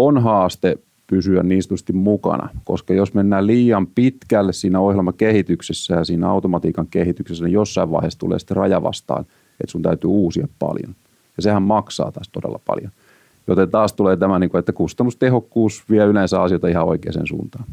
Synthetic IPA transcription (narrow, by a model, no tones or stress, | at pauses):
onɦɑːst̪e | pysyænniːnst̪yst̪immukɑ̰nɑ̰koskɑjosmenːæːliːɑmpit̪kælːessiːnæohjelmɑkehit̪yksesːæjɑsiːnæɑut̪omɑt̪iːkɑŋkehit̪yksesːænijosːɑiʋʋɑ̰ˑihest̪ṵlḛːsi̥t̪ːerɑjɑʋɑ̰st̪ɑ̰ːn | ḛt̪sunt̪æyt̪yuːsiɑppɑ̰ljo̰n | jɑsehæmmɑksɑ̰ːt̪ɑst̪odḛlːɑpɑ̰ljon | jot̪ent̪ɑːst̪uleːt̪æmæniŋkuet̪ːækust̪ɑnːust̪ehokːuːsʋiæylensæɑsijoit̪ɑihɑo̰ikḛːsḛːnsṵːnt̪ɑːn